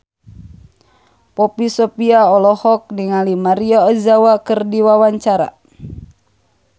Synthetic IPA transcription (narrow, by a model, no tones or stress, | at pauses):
pɔpisɔpiaɔlɔhɔk̚niŋalimaɾiɔɔzawakɨrdiwawaɲt͡ʃaɾa̰